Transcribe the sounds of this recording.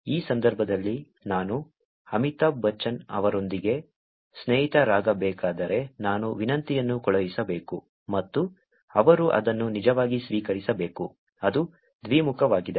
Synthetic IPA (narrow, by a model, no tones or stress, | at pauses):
iːsɐnd̪ɐɾbʱɐd̪ɐlːi | naːnu | ɐmit̪ɐbʱɐt͡ʃːɐnɐ̰ʋɐɾo̞nd̪iɡe̞ | sneːɦit̪ɐɾaːɡɐbɛːkaːd̪ɐɾe̞naːnuʋinɐnt̪ijɐnːukɔɭɐʋisɐbeːku | mɐt̪ːu | ɐʋɐɾuʔɐ̰d̪ɐnːunid͡ʒɐʋaːɡisʋiːkɐɾisɐbe̞ːku | ɐd̪u | d̪ʋiːmukɐʋaːɡid̪e